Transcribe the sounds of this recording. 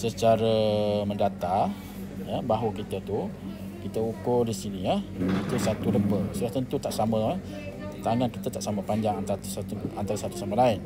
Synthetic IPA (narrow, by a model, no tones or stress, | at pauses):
sət͡ʃaɾəməndat̪a | jəbaɦukit̪ət̪u | kit̪əukʊldisiniəit̪usat̪uləbəsulaht̪ənt̪ut̪aʔsamə̃ | t̪aŋankit̪at̪aʔsaməpaɲd͡ʒaŋant̪asat̪uant̪aɾasat̪u̥samalaɪn